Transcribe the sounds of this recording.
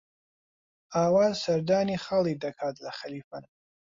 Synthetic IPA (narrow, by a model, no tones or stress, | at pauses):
aːwaːzsɐɾd̪aːniːχaːlˠid̪ɐkʰaːt̪ʰlɐxɐliːfɐn